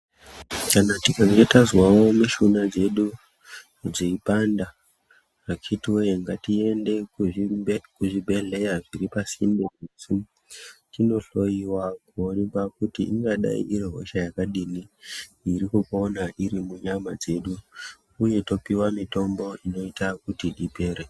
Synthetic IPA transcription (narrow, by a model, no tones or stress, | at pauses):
kanatikaŋetazwawomiʃunad͡ze̞ɗu | d͡ziipanda | rakʰitiwojeŋɡatie̞nde̞k | kuʐibʱe̞ɮe̞jaʐiɾipasimbekusu | tino̞ɬo̞jiwakuonikakutiʔḭŋɡaɗa̰ḭʔiɾeɦo̞̰ʃajakaɗiniiɾikukːnaʔiɾimuɲamad͡ze̞ɗu | uje̞to̞piwamito̞mbo̞ino̞itakutiɗipe̞ɾe